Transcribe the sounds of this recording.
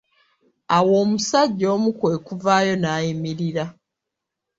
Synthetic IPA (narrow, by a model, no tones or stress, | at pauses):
awo̞ːmusaɟːo̞ːmukwe̞ːkuvaːjo̞naːjimiɾiɾa